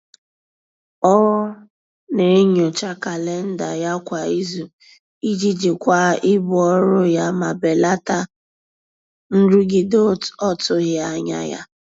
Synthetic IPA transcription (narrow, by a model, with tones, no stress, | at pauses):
ɔ˦ | ne˨˦ɲo˨t͡ʃa˦ka˨le˦n̩˦da˨ja˦kʷa˨i˦zu˨ | i˦d͡ʒi˦d͡ʒi˨kʷa˦ɪ˦bʊ˨ɔ˦ɾʊ˦ja˦ma˨be˨la˦ta˦ | n̩˦ɾu˦ɡi˦do˦˨tɔ˦tʊ˦ɣja˦ɲa̰˦ja̰˦